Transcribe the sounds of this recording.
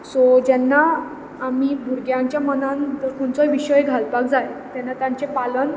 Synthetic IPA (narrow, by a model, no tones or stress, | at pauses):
sɔd͡ʑɛnːaː | mibʱuɾɡjãɲt͡ɕjamənãnt̪əɾkʰoɳt͡sɔjʋiɕəjɡʱalpak̚d͡zajt̪ɛnːat̪jãɲt͡sepalən